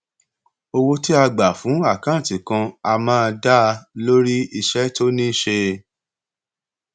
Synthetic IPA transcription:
o˧wo˧ti˦a˧ɡ͡ba˨fũ˨˦a˦˨kã˨˦˨tĩ˨kã˧a˧mãː˦˧da˦˧lo˦ɾi˦i˧ʃɛ˦to˦nĩ˦ʃe˧

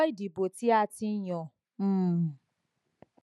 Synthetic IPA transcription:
i˦di˨bo˨ti˦a˦ti˦ɲɔ˨ | m̩ː˦˨

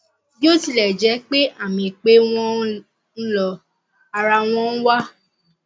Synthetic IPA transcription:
jo˦ti˧˨lɛ˨d͡ʒɛ˨˦k͡pe˦ʔa˦˨mĩ˧˨k͡pe˦w̃ɔ̃˦ | n̩˦lɔ˧ | a˧ɾa˧w̃ɔ̃˧n̩˦wa˦

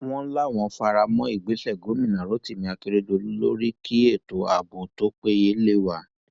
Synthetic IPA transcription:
w̃ɔ̃˦la˦˨w̃ɔ̃˧fa˧ɾa˧mɔ̃˦i˦˨ɡ͡be˨˦ʃɛ˦˨ɡo˨˦mĩ˦˨nã˨ɾo˨˦ti˦˨mĩ˧a˧ki˧ɾe˦do˧lu˦lo˦ɾi˦kʰi˦e˦˨to˨a˨bo˨to˦k͡pe˦je˦le˦˨wa˨

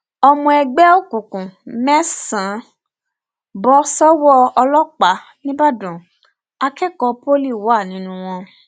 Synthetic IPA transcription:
ɔ˧mɔ̃˧ɛ˧ɡ͡bɛ˦o˦kũ˨kũ˨mɛ̃˦sã˨˦ | bɔ˦sɔ˦wɔ˦ɔ˧lɔ˦k͡pa˨˦ | nĩ˦ba˦dũ˨ | a˧kɛ˦kɔ˧po˦li˦˨wɔ˨˦a˦˨nĩ˨˦nũ˧˦w̃ɔ̃˧

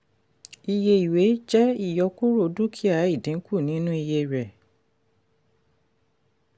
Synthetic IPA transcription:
i˧je˧i˨we˨˦d͡ʒɛ˦i˦˨jɔ˧ku˦ɾo˧˨du˦kʰi˦a˨˦i˦˨dĩ˨˦ku˦˨nĩ˨˦nũ˦i˧je˧˨ɾɛ˨

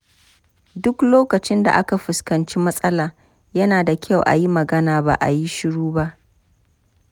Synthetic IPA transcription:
dʊ˦kloː˦kɐ˨t͡ʃɪ˦nda̰˨ʔa˦ka˨ɸʊ˨skɐ˨nt͡ʃiː˦mɐ˦sʼɐ˦laː˨ | jɐ˦naː˨da˨kʲʰɐ˦˨wʔa̰˨ji˦mɐ˨ɡɐ˦naː˨ba̰˦˨ʔa̰˨ji˦ʃɪ˦ɽuː˦ba˦ʔ

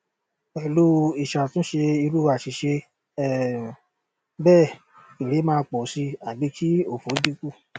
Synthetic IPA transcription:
ɛ˨lu˦˧i˨ʃa˨tũ˦ʃe˧i˧ɾu˦˨a˨ʃi˨ʃe˧ | ɛ˨ | bɛː˦˨ | i˨ɾe˨˦mãː˧k͡pɔ˨si˧a˨bi˨˦ki˦o˦˨fo˨˦di˦ku˦˨

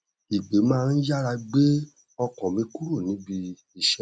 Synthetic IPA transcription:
i˨ɡ͡be˨˦mãː˦˧˦n̩˦ja˦ɾa˧ɡ͡be˦ | ɔ˧kɔ̃˨mĩ˧˦ku˦ɾu˦˨nĩ˨˦bi˧ | i˧ʃɛ˦

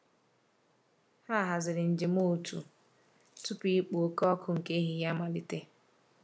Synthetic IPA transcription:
ha˦˨ɦa˨zɪ˨ɾɪ˨n̩˨d͡ʒɪ˨m˦o˦˨tʰṵ˨ | tʊ˦pi˦i˦k͡po˨o˦kɔ˦kʰʊ˦ŋ̩˨ke˦ɦɪ˨˦ɦja˦ma˨li˦te˦

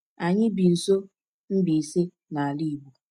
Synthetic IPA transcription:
a˨ɲɪ˦bi˨n̩˨so˦ | m̩˦bi˨se˦ | na˨a˨li˦˨bu˨

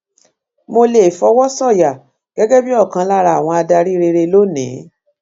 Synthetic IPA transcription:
mo˧le˨fɔ˧wɔ˦sɔ˦˨ja˨ | ɡ̥ɛ˦ɡɛ˦bi˦ɔ˦˨kã˧la˦˨ɾa˧˨˦w̃ɔ̃˧a˧da˧ɾi˦ɾe˧ɾe˧lo˦nḭ̃˨˦

